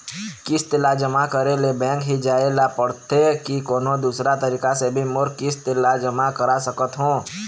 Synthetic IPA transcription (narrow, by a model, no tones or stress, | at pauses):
kɪst̪ɪlad͡ʒəmakəɾelebɛ̃ːkɦid͡ʒaːelapəɽt̪ekikoːnõd̪uːsɾat̪əɾiːkasebʱimʊɾkɪst̪ɪlad͡ʒəmakəɾasəkət̪ɦõː